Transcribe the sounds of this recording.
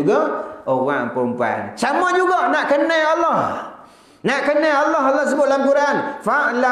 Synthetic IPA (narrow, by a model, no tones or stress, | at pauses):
uɡɔowaʔmpɔmpua̰nt͡ʃamɔd͡ʒuɡɔʔnaʔkənɛalːɔh | naʔkənɛalːɔɦalːɔhs̬əbʊt̪̚lamkuɾanfaʔla